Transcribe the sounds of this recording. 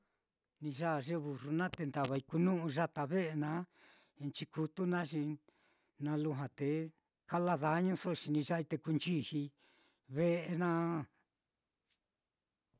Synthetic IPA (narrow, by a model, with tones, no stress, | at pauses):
nĩ˧ʒa˦˧ʐe˦βu˨ru˧nã˦t̪e˧nd̪a˨βa˧i˧ku˧nũ˦ʔũ˧ʒa˦t̪a˧βe˦ʔe˧nã˧˦˧ | nt͡ʃi˧ku˧t̪u˦nã˦ʃi˧ | nã˧lu˦˧ɦã˧t̪e˨ | ka˦la˧ða˧˨˦ɲũ˧so˦ʃi˧nĩ˧ʒa˦i˧t̪e˧ku˧nt͡ʃi˦hi˧ | βe˦ʔe˧nã˦